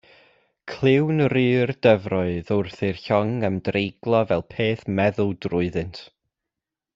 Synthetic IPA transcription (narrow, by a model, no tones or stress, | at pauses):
kʰl̥ˠɪwnrɨːrd̥əvrɔɨðʊrθɪrçɔŋəmdrejɡlˠɔvɛlˠpʰeːθmɛðʊlˠdrʊɨðɨntʰ